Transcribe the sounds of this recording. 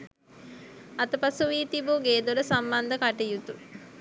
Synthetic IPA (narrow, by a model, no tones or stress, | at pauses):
at̪əpasuʋiːt̪ibuɡeːd̪uɾəsamband̪əkaʈijut̪u